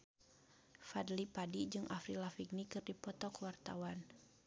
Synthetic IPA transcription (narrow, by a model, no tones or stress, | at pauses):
fadlipadid͡ʒɨŋʔafɾilafiɡnikɨrdipɔt̪ɔkwart̪awan